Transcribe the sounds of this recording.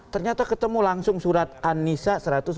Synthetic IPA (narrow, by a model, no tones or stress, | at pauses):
t̪ərɲat̪akət̪əmulaŋsʊŋsuɾat̪̚anːisasəɾat̪ʊs